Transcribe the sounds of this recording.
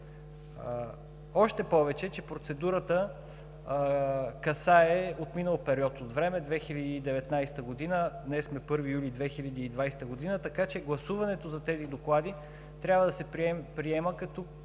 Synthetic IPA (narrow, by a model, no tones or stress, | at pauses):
ɔʃt̪ɛpɔvɛt͡ʃɛt͡ʃɛpɾot̪sɛd̪uɾət̪ə | kɐsaɛot̪minəlˠpɛɾiɔt̪ot̪vɾɛmɛd̪vɛxilʲɐd̪iːd̪ɛvɛt̪najst̪əɡod̪inəd̪nɛsmɛpɤɾvijulʲid̪vɛxilʲɐd̪iːd̪vajst̪əɡod̪inət̪ɐkat͡ʃɛɡlˠɐsuvɐnɛt̪ozɐt̪ɛzid̪oklˠad̪i | t̪ɾʲjabvəd̪ɐsɛpɾiɛməkɐt̪u